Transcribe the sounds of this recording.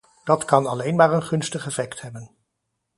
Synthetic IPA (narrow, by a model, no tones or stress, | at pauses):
d̥ɑtkɑnɑlejnmaːɹənχɵnstəχɛfɛkthɛbən